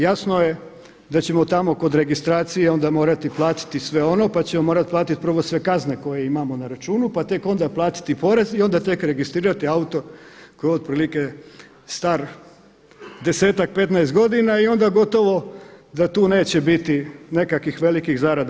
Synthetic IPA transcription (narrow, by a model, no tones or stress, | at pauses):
jasnoje̞ | d̪at͡ɕe̞mo̞t̪amo̞ko̞d̪ɾe̞ɡist̪ɾaːt̪sijeo̞nd̪amo̞ːɾat̪iplˠaːt̪i̥t̪isʋe̞o̞no̞pat͡ɕemomo̞ːɾat̪̚plˠaːt̪it̪̚pr̩ʋo̞sʋe̞kazne̞ko̞jeimamo̞naɾat͡ʃuːnupat̪e̞ko̞nd̪aplˠaːt̪i̥t̪ipo̞ɾe̞zio̞nd̪at̪e̞kɾe̞ɡist̪ɾiːɾat̪iaut̪o̞kojeod̪̚pɾiːlike | st̪aɾ | d̪e̞se̞ːt̪ak̚pe̞t̪naest̪ɡo̞d̪inaio̞nd̪aɡo̞t̪o̞ʋo̞d̪at̪uːne̞ːt͡ɕebit̪ine̞kakʋixʋe̞likixzaɾad̪